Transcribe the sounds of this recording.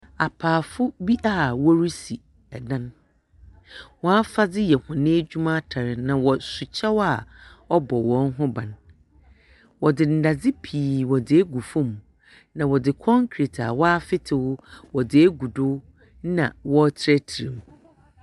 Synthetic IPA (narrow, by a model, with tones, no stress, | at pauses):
a˨pʰaː˨fʊ˦bi˦ʔa˦˨wɔ˦ɾi˦si˨ | ɛ˨dã˦n | wɔ̃˦a˦fa˦dɪ˦jɛ˨hʊ̃˨nɪ̃˦d͡ʑᶣu˦mã˦tʰa˨ɾɪ˨nã˨wɔ˨sʊ˨t͡ɕʰɛ˦wa˦˨ɔ˦bɔ˨wɔ̃˨˦nɦʊ̃˦bã˨n | wɔ˨dɪ˨n̩˨da˨d͡zɪ˦pʰiː˨wɔ˨dɪ˦ɛ˦ɡu˨fʊ̃˦˨m | nã˨wɔ˨dɪ˨kʰɔ̃˦ŋkʰɾi˨tʰa̰˨wɔ˦a˦fɪ˦tʰɪ˨wʊ˦wɔ˨dɪ˨ɛ˦ɡu˨dʊ˦ | nã̰˨wɔ˦tʰɪ˦ɾɛ˦tʰi˨ɾĩ˨m˨